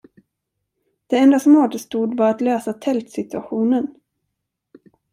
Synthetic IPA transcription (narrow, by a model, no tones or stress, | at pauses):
d̪̥ɛɛnd̪asɔmoːt̪əst̪uːd̪vaɾat̪løːsat̪ʰɛlt̪sɪt̪ɵaɧuːnən